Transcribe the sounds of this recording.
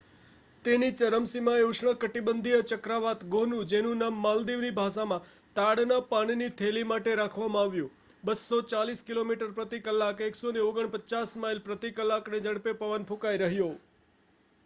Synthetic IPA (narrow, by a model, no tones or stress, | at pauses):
t̪enit͡ʃəɾəmsimãeuʂɳəkəʈibənd̪ʱijət͡ʃəkɾaʋat̪ɡonũd͡ʒenũnamːald̪iʋnibʱaʃamãt̪aɽnapaɽ̃init̪ʰelimaʈeɾakʰʋamãaʋjũ | bəsot͡ʃaliskilomiʈəɾpɾət̪ikəlːakeksoneoɡəɳpəːt͡ʃasmailpɾət̪ikəlːakned͡ʒəɽpepəʋənpʰũkaijɾəɦjo